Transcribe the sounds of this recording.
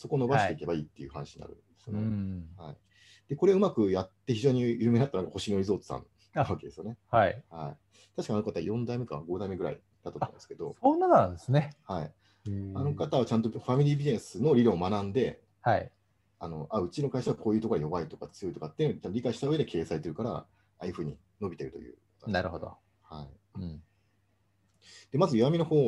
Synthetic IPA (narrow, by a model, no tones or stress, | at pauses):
so̞ko̞ːno̞baɕɕte̞ike̞baiːt̪ːe̞jɯ̟hanaɕiɲ̰na̰ɾɯ̟̰nd̪esjonehai | d̪̥e̞ko̞ɾe̞ɯmakɯ̟jat̪ːe̞çiʑo̞ːɲ̟ijɯ̟ːme̞at̪ːnakːaho̞ɕĩnoɾizo̞ːt͡sɨ̥sã̰n | aβake̞d̪e̞sɨjo̞ne̞haihai | t̪aɕi̥kaɲano̞kat̪a̰jõ̞nd̪aime̞ka̰ɡo̞d̪aime̞ɡɯ̟ɾa̰ḭ | t̪at̪ot̪ːã̰nd̪eske̞d̪o̞̰onːanãnd̪esɨnehai | ano̞kat̪aβat͡ɕãnt̪oɸamʲiɾʲiːbʲinẽsɨno̞ɾʲiɾõːmanãnd̪e̞ | hai | ano̞ʔaɯ̟t͡ɕino̞kaiɕaβakʰo̞ːjɯ̟t̪okoɾajo̞bait̪o̞kat͡sɨjo̞it̪okat̪ːeɯnot͡ɕãnt̪oɾʲikaiɕi̥t̪aɯ̟e̞d̪ekʰe̞ːsaet̪eɾɯ̟kaɾa̰ | ai̟ɸɯ̟ːɲ̟ḭ | no̞bʲit̪e̞ɾɯ̟t̪o̞̰jɯ̟̰ːkot̪onaɾɯhod̪o̰ | hai | d̪̥e̞mazɨjoβamʲino̞hoː